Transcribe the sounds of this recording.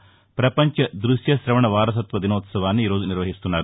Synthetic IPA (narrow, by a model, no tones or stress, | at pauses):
pɾɐpɐɲt͡ʃɐd̪ɾuʂjɐʃɾɐʋɐɳɐʋaːɾɐsɐt̪ʋɐd̪inoːt̪sɐʋaːnːuiːɾoːd͡ʒuniɾʋɐɦist̪unːaːɾu